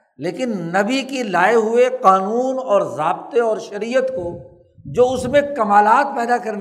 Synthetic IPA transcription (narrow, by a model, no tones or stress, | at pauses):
leːkɪnːɐbikilaːeɦʊeqaːnuːnɔːɾzaːbt̪eɔːɾʃɐɾijət̪ko | d͡ʒoːʊsmẽkɐmaːlaːt̪̚pɛːd̪akɐɾn